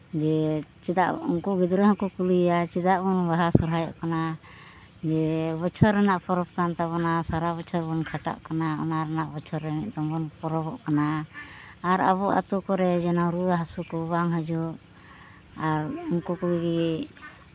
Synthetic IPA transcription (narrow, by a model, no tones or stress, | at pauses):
d͡ʒɛt͡ʃɛd̪a̰ʔṵŋkɔɡid̪ɾəɦɔkɔkuliat͡ʃɛd̪aʔbɔnbaɦasɔɾɦajɔ̰ʔkana | d͡ʒɛbɔt͡ʃʰɔɾɛnaʔpʰɔɾɔp̚kant̪aβɔnasaɾaβɔt͡ʃʰɔɾbɔnkʰaʈa̰ʔkanaɔ̰naɾɛnaʔbɔt͡ʃʰɔɾɛmiʔ̚d̪ɔmbɔnpɔɾɔbɔʔkanaː | ɾa̰βɔʔa̰t̪ukɔɾɛd͡ʒɛnaɾuɦasukɔbaŋɦad͡ʒuʔ | aɾuŋkɔkuliɡi